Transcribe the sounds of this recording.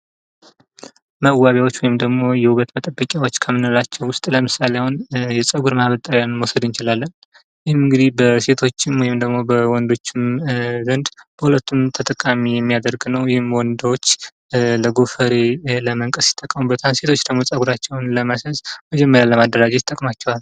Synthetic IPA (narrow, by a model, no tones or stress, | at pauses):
məwaβjawo̞t͡ʃːwɔjɪmd̪əɡmo̞jɛhuɡət̪mət̪ʼəbːəkʲʼjawo̞t͡ʃːkʰəmːɨnulat͡ʃːɛwwʊst̪ʼləmɨsaleawʊnjɛsʼəɡuɾmahβət̪ʼaɾjanməwsəd̪ɨnt͡ʃɪlalːən | jɪhmɨŋɡɨd̪ihbəse̞t̪ʰo̞t͡ʃːɪmwɔjɪmd̪əɡmo̞bəwɔnd̪o̞t͡ʃːɪmzənd̪b̥əhulət̪ʰːumt̪ʰət̪ʼəkʼːamijɛmːijad̪əɾɡnəwjɪhɪmwɔnd̪wot͡ʃː | ləɡofəɾeləməŋkʼəsjɪ̥t̪ʼːəkʼːəmubːət̪ʰanse̞t̪ʰo̞t͡ʃːd̪əɡmo̞sʼəɡuɾat͡ʃːɛwnləməsəzməd͡ʒɛmːəɾjaləmad̪ːəɾad͡ʒet̪ʼːəkʼmat͡ʃːɛwal